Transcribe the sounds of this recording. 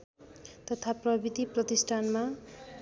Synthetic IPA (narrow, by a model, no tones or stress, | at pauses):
t̪ʌt̪ʰaprʌbit̪iprʌt̪isʈʰanma